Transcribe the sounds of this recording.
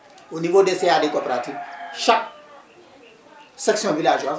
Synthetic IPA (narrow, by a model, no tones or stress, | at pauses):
onivodesejadekɔpɾaːtiʃak̚ | sɐksiɔ̃bilaːd͡ʒa